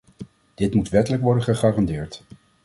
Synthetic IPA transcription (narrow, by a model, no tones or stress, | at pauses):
d̥ɪtmutʋɛtələkʋɔɹdənχəχaːrɑndɪːɹt